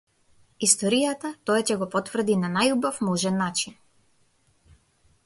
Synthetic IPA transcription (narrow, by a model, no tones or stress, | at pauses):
ist̪ɔɾijat̪at̪ɔjacɛɡɔpɔt̪vr̩d̪inanajubafmɔʒɛnːat͡ʃin